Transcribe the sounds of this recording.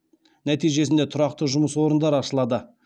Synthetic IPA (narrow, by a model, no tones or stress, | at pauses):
næt̪ijʒe̞sɪnd̪et̪ʰʊɾɑqt̪əʒʊməswo̞ɾənd̪ɑɾɑʃəlˠɑd̪ə